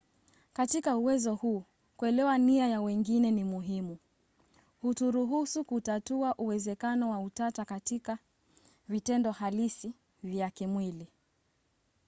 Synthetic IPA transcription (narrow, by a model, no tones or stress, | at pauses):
katikauwɛzɔhuː | kuɛlɛwaniajawɛŋɡinɛnimuɦimu | hutuɾuɦusukutatuaʔuwɛzɛkanɔwautatakatika | vitɛndɔhalisi | vjakɛmwili